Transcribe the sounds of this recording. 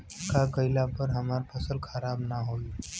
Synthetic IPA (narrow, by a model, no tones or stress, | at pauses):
kakəjlapəɾɦəmaɾpʰəsəlkʰəɾabnaɦoi